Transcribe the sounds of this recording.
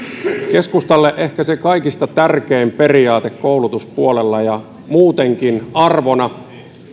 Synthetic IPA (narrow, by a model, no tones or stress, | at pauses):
ke̞skust̪ɑlːeʔe̞hkæsekɑikist̪ɑt̪ærkeːmpe̞riɑːt̪ekkoulut̪uspuolelːɑjɑ | muːt̪eŋkinɑrʋonɑ